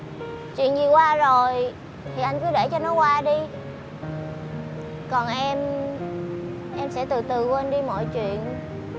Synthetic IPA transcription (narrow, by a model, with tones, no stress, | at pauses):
t͡ɕwḭ˧˨ənzi˨˩kwaː˧zo˨˩j | t̪ʰi˨˩ʔa˧jŋ̟kɨ˨˦ɗe˧˩t͡ɕɔ˧nɔ˨˦kwaː˧ɗi˧ | kɔ˨˩nʔɛ˧m | ʔɛ˧msɛ̰˧˥t̪ɨ˨˩t̪ɨ˨˩ku˧˦ʔa˧nɗi˧mɔ̰˧˨jt͡ɕwḭ˧˨ən